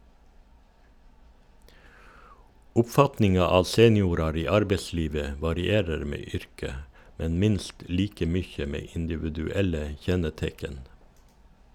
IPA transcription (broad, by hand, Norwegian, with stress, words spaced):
ʊpˈfɑtnɪŋɑ ˈɑː ˈseːnɪuːɾɑɾ ˈiː ˈɑɾbəˌsliːʋə ə ʋɑɾɪˈeːɾəɾ ˈmeː ˈʏɾkə ˈmɛn ˈmɪnst ˈliːkə ˈmʏçə ˈmeː ɪndɪʋʉdʉˈɛlə ˈçɛnəˌtɛkən